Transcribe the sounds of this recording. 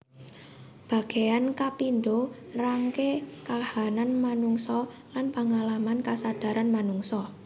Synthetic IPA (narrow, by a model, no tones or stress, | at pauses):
b̥a̤ɡ̥e̤jankapindoraŋkekahananmanuŋsɔlanpaŋalamankasad̥a̤ɾanmanuŋsɔ